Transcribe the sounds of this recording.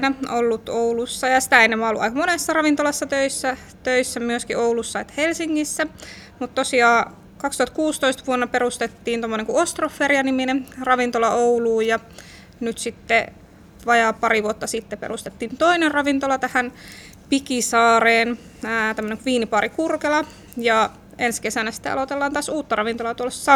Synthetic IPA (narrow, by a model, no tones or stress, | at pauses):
næʔolːut̪oulusːɑjɑsi̥t̪æenːemːæolːuʔɑ̰ikɑmonesːɑrɑʋint̪olɑsːɑt̪øisːæ | t̪øisːæmyøskioulusːɑet̪ːhelsiŋːisːæ | mut̪t̪osiɑː | kɑkst̪uhɑt̪kuːst̪oist̪ɑʋuonːɑpeɾust̪et̪ːiːnt̪omːoneŋkuost̪rofːeriɑniminemrɑʋint̪olɑʔouluːjɑ | nyt̪sit̪ːe | ʋɑjɑːpɑɾiʋuot̪ːɑsit̪ːepḛrust̪et̪ːiːnt̪oinerrɑʋint̪olɑt̪æhæn | pikisɑːɾeːnː | t̪æmːəneŋkuʋiːnipɑɾikurkelɑ | jɑ | enskesænæsi̥t̪ːḛɑ̰lot̪elːɑːnt̪ɑːsuːt̪ːɑrɑʋint̪olɑt̪uolːˑessɑ